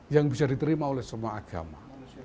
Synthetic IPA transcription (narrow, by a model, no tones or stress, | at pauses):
jaŋbisadit̪əɾimaolɛhsəmuaaɡ̥a̰ma